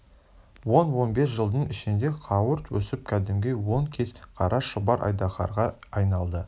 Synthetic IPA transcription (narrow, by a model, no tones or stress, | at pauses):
wo̞nwo̞nbes̬ʒəlˠd̪əɴɪʃɪnd̪e̞qʰɑwəɾt̪wɵsɪp̚kʲʰæd̪ɪmɡʲewo̞ŋkʲʰe̞zqʰɑɾɑʃʊbɑɾʔɑ̰jd̪ɑχɑ̰ɾʁɑɑjnɑlˠd̪ə